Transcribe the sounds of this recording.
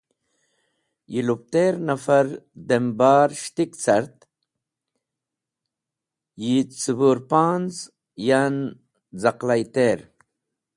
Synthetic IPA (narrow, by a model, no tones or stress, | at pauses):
jilup̚t̪eɾnafaɾd̪embaːɾʃt̪ikt͡saɾt̪ | jit͡subuɾpaːnz | jan | zaqlajt̪eːɾ